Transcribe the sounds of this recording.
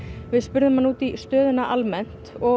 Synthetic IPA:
vɪðspʏɾðʏmhanːuːt̪ist̪œːðʏnaʔalmɛn̥t̪ɔ

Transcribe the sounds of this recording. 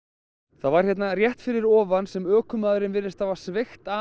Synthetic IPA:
θaðvaɾ̥jɛt̪narjɛht̪fɪɾɪɾɔːvansɛmœːkʏmaːðʏɾɪnvɪɾːɪst̪avasvext̪a

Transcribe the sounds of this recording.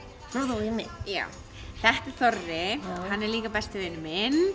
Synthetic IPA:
ɾowðaimɪja̰ːw | θɛht̪ɪ̥θɔɾðɪhanːɛɾliːkapɛst̪ɪvɪnɪmɪn

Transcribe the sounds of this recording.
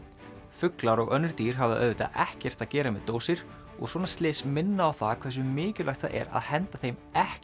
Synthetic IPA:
fʏklaɾɔɣœnːʏɾt̪iːɾ̥ɦavðaʔœðvɪt̪a̰ʔɛhcɛr̥t̪aðcɛːɾamɛ̰ðt̪oːwsɪɾ̥ | ɔ̰ɣswɔːnḁst̪lɪːsmɪnːaːwθakʰvɛɾ̥s̬ʏmɪːcɪlʔajxt̪θa̰ʔɛ̰ɾa̰ðhɛnt̪aθejmɛh

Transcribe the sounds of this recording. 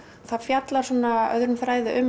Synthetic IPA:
θaðfjat̪laɾ̥sɔːnaœ̰ðɾʏnfɾaːjðɪʔʏm

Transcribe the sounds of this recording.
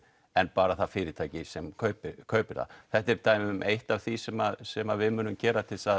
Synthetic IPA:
ɛnpaːɾaθaðfɪːɾɪt̪ʰaːjcɪsɛmkʰœːɥpɪkʰœːɥpɪɾða̰θɛht̪ɪɾt̪aːjmʏmʔejht̪av̥θisɛmaðsɛmavɪðmʏːnʏmcɛːɾat̪ʰɪlsað

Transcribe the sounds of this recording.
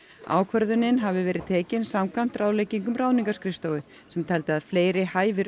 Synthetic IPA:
a̰ːwkʰvœɾðʏnːɪnɦavɪvɛːɾɪðt̪ʰɛːcɪnsamkʰvam̥t̪ɾaːwleːjciŋkʏmraːwniŋkaskɾɪst̪owʏ | sɛmt̪ʰɛlt̪ɪaðfleːjɾɪhaːjvɪɾ

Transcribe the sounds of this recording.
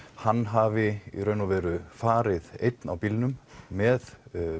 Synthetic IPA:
hanːɦaːvɪḭɾœɥnɔvɛːɾʏfaːɾɪðejt̪na̰wpilnʏmmɛð

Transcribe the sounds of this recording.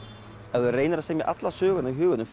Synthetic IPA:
ɛɣʏreːjnɾasɛmjɛʔa̰t̪lasœːɣʏnaɦʏːɣʏnʏmf

